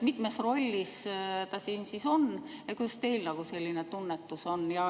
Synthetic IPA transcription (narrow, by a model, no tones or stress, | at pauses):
mit̪mesro̞lʲːist̪ɑsiːnsiso̞n | jet̪kujd̪ɑst̪e̞jlnɑɡ̥use̞lʲːinet̪unːet̪ːˑuso̞njɑ